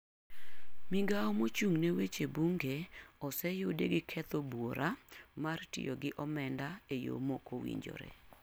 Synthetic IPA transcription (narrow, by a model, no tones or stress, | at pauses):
mɪɡaɔmot͡ʃuŋnewet͡ʃebuŋɡeɔsɛjodeɡɪkʰɛt̪obwoɾʔamartɪ̰joɡɪʔɔmɛndaejo̰mokowḭɲd͡ʒo̰ɾḛ